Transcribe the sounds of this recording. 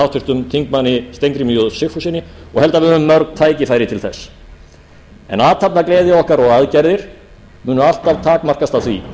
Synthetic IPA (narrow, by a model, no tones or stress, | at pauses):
awt̪ʏɾ̥t̪ʏmt̪ʰiŋkmanːɪst̪ejŋk̪ɾimijɔðsɪxfusɪːnɪɔɣhɛlt̪avɪðʏmːœɾknt̪ʰaːjcɪfaːjɾɪt̪ʰɪlθɛsː | ɛ̰naːt̪ʰapnakleːðɪɔhkaɾɔɣaðcɛɾðɪɾ̥ | mʏːnʏal̥t̪avt̪ʰaːkmar̥kast̪awθvi